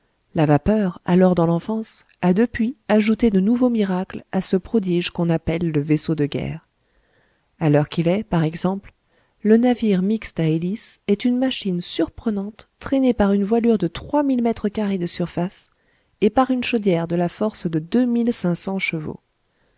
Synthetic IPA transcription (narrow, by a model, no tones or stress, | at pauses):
lavapœʁalɔʁd̪ɑ̃lɑ̃fɑ̃s | ad̪əpɥiaʒut̪ed̪ənuvomiʁaklasəpχɔd̪iʒkɔ̃napɛlːəvesod̪əɡʲɛ̰ːʁ | alœʁkʲilɛpaʁɛɡzɑ̃pl | lənaviʁmikst̪aelisɛt̪ynmaʃinsyʁpχənɑ̃t̪ːχɛnepaʁynvwalyʁd̪ət̪χwamilmɛt̪χəkaʁed̪əsyʁfas | epaʁynʃod̪jɛʁd̪əlafɔʁsd̪əd̪ømilsɛ̃sɑ̃ʃəvo̰